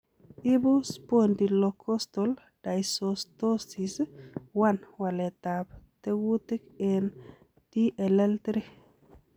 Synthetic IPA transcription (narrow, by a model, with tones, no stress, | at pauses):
ɪ˦bʊ˦spondi˨lɔkʰɔ˦st̪ɔl | d̥ajsosto˦si˨swanwa˨lɛ˨t̪ap̚t̪e˦wu˦t̪ɪ˦ke˨n | ti˦ʔɛ˨lɛ˦ltɾi